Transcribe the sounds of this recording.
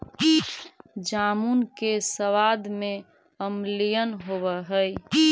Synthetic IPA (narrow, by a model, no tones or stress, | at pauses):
d͡ʒamunkesəʋad̪me | əmlijənɦoβəɦəj